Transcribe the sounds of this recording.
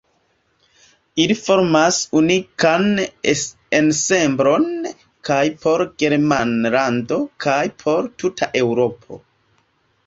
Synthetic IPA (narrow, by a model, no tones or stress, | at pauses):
ilifo̞ɾmasunikan | ense̞mbɾo̞n | kʰajpʰo̞ɾɡ̥e̞ɾmanlando̞kʰajpʰo̞ɾtutʰaʔe̞wɾo̞pʰo̞̰